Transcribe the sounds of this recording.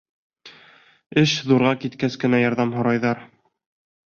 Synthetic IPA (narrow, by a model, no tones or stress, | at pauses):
ɘʃðuɾʁɑkit̪kæskɘ̆næjɑɾðɑmɦŏɾɑjðɑɾ